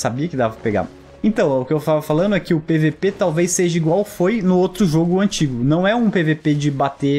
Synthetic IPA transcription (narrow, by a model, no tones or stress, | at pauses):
sabiɐkɪd̪avɐɐpeɡa̰ | ẽt̪ɐ̃w̃ʊkɪewft̪avɐfalɐ̃d̪ʊɛkɪʊpevepet̪awvejsːeʒɐiɡwawfojnʊowt̪ɾʊʒoɡʊɐ̃nt͡ʃiɡʊnɐ̃w̃ɛũpeveped͡ʒɪbat̪e